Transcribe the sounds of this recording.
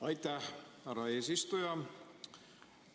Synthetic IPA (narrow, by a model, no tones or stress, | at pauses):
ɑjt̪æhhærːɑeːsist̪ujɑ